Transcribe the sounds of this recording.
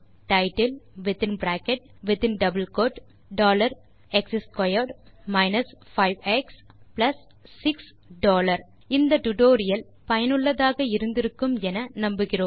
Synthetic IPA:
ʈɐɪʈɐlʋɪt̪ɪnbɾaːkɛʈ̚ʋɪðɪnɖɐbɐlkoːʈ | ɖoːlɐɾ | ɛksɪskɐjɐɖmɐɪnɐsfɐɪʋɛksplɐsː | ɪks | ɖoːlɐɾ | ɪnd̪ɐʈʊʈoːɾɪjɐl | pɐjɐnɯɭːɐðaːɣɐɪɾɯnd̪ɪɾɯkːɯmɛnɐnɐmbɯɣɪroːm

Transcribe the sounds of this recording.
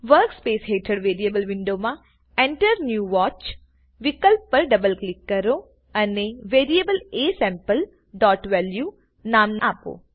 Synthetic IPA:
ʋəɾkspeːsɦeːʈʰəɽʋeːɾieːbəlʋɪ̃ɳɖomã | ẽɳʈəɾnjuːʋɔːt͡ʃ | ʋɪkəlppɐɾɖɐbəlklɪkːɐɾo | ɐneʋeːɾiebəleːsɛ̃ːmpəl | ɖɔːʈʋelju | naːmnaːpo̰ː

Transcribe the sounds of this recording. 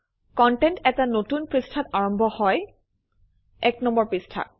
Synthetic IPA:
kɔntɛntɛtanotunpɹistʰataɹɔmbʱɔhɔj | ɛknɔmbɔɹpɹistʰa̰t̚

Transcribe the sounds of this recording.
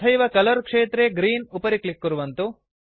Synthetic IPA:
ɐjʋɐkɐlɐɾkʂeːt̪ɾeɡɾiːnupɐɾiklikːuɾuʋɐnt̪u

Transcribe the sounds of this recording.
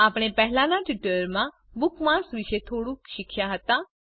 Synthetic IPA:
apɽ̃epɛɦɛlãnaʈuʈəɾmã | bukmãsʋiʃet̪ʰoɽũkʃɪkʃaɦət̪ã

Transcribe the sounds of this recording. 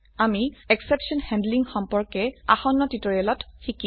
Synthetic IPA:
amiɛksepsiɔnhɛ̃ndliŋxɔmpɔɹkɛaxɔnːɔtitɔɹiɛlɔtxiki

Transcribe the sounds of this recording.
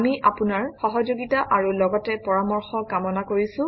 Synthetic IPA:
miʔʔapunaɹxɔɦɔd͡ʒoɡitaʔaɹulɔɡɔtɛpɔɹamɔɹxɔkamɔnakoɹisʊ̃

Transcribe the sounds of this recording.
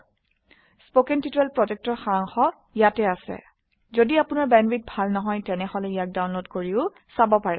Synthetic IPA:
spokɛntituɹɛlpɹɔd͡ʒɛk̚tɔɹxaɹaŋxɔ | jatɛasɛ̰ | zodiapʊnaɹbɛnɹit̚bʱalnɔɦɔjtɛnɛhɔlɛijak̚dawnlodkoɹiʊ | sabɔpaɹɛ̰

